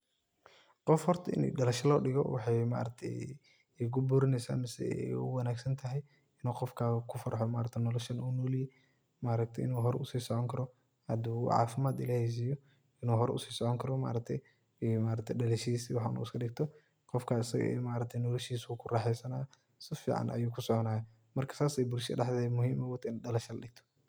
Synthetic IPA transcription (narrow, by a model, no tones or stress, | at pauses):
qɔfhɔrt̪ʰɐɪ̰n̰ɖɐlɐʃɐlɔːɖɪɣɔ̰wɑ̰ħɑjma̰ːɾɐk̚t̪ʰɛ̰j | kʰʊbuːɾɪnɛjsa̰ːmɪsɛ̰ɛ̰jʊ̰wɐnaːɡsɐnt̪ʰɐɦɛj | ɪnuːqɔfkʰaːkʰʊfɐɾħɔma̰ːɾɐt̪ʰɛnɔlɔʃɐnunɔlijɛ | maːɾɐk̚t̪ʰɛjɪnuːɦɔɾɛʊsiːsɔʕɔŋkʰɐɾɔ | hɐd̪uːʕɑ̰ːfɪmaːd̪ɪlaːhɛs̬iːjɔ | ɪnuːɦɔɾɛ̰ʊsiːsɔʕɔŋkʰɐɾɔma̰ːɾɐk̚t̪ʰɛj | maːɾɐk̚t̪ʰɛjɗɐlɛʃisiwɑħnṵɪskʰɐɗɪɡ̚t̪ʰɔ | qɔfkʰaːɪsɐ̰ɣ̰ɛ̰maːɾɐk̚t̪ʰɛjnɔlɔʃiːswuːkʰʊraːħɛjsɐnaː | sɪfḭːʕa̰nʔɐ̰juːkʰʊsɔʕɔnaːjɐ | mɐrkʰɐ̥saːsɛjbʊlʃɛ̰ɖɐħd̪ɛmʊɦiːmɔwɔt̪ʰɪnɗɐlɐʃɐlɐɗɪɡ̚t̪ʰɔ̥